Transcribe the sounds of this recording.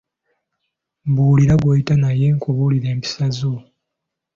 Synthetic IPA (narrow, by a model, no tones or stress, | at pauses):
mbuːliɾaɡwojitanaje̞ŋkʰoβuliɾe̞ːmpi̥sazo